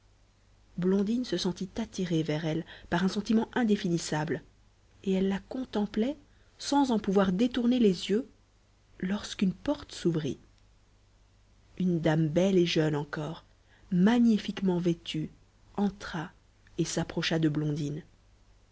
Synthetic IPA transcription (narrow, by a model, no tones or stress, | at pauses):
blɔ̃d̪insəsɑ̃t̪it̪at̪iʁevɛʁɛlpaʁɛ̃sɑ̃t̪imɑ̃ʔɛ̃d̪efinisabl | eɛlːakɔ̃t̪ɑ̃plɛ | sɑ̃zɑ̃puvwaʁd̪et̪uʁnelezjø | lɔʁskynpɔʁt̪əsuvʁḭ | ynd̪ambɛleʒœnɑ̃kɔːʁ | maɲifikmɑ̃vet̪ʰy | ɑ̃t̪χa | esapχɔʃad̪əblɔ̃d̪in